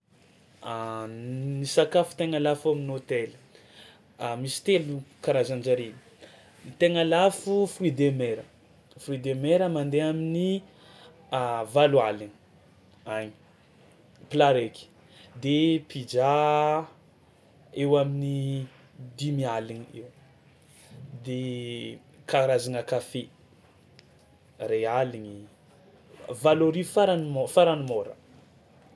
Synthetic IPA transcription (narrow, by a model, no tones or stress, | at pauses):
nisakafu̥t̪eŋalafaminot̪eli̥ | misi̥t̪elukaɾazand͡ʒaɾini | nit̪eŋalafufuid̪emeɾə | fuid̪emeɾəmand̪eamini | avalualini̥ | aɲi | plaɾeki̥ | d̪epid͡ʒa | ewamini | d̪imialiɲiew | d̪e | kaɾazaŋəkafe | realiɲi | valoɾifaɾanimofaɾanimoɾə̰